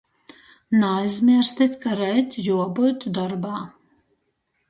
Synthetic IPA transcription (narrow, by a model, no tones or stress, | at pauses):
najzʲmʲiɛɾst̪ʲit̪ʲkaɾɛjt̪ʲjuɔbut̪d̪ɔɾbaː